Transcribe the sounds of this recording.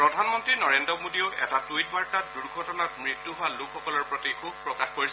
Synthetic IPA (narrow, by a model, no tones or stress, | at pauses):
pɹɔdʱanmɔntɹinɔɹendɔmodioʊʔɛtatujt̚maɹtatduɹɡʱɔtɔnatmɹitːuɦowalʊkʰːɔkɔlɔɹpɹɔtikʰub̚pɹɔkaxkoɹis